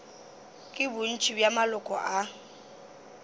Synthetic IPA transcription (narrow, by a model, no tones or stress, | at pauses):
kʼɪbʊn̩t͡ʃʼibjamalʊkʼɔʔa